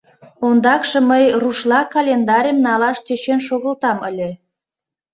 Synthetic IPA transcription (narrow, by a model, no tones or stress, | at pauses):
ond̪ɑkʃɤ̆məjruʃlɑkɑlʲend̪ɑɾʲəmnɑlɑʃt̪øt͡ɕenʃoɣə̆lt̪ɑmə̰lʲe